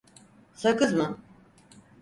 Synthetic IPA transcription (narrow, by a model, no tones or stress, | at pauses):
sakɯzmɯ